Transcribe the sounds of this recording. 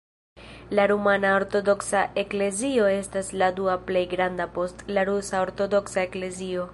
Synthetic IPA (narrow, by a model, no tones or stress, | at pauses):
laɾumanao̞ɾto̞do̞ksaʔe̞kle̞zio̞e̞stasladuaple̞jɡɾandapo̞stlaɾusao̞ɾto̞do̞ksaekle̞zio̞